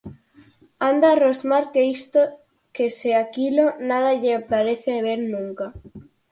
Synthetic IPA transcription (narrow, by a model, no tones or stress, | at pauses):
and̪aːrozmaɾkeist̪o | keseakilonað̞aʎeaplaɾeθeβeɾnũŋka